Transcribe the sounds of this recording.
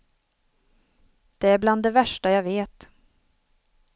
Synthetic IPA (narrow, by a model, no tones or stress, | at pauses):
d̪̥ɛæɾbland̪ːɛvæʂʈajaveːt̪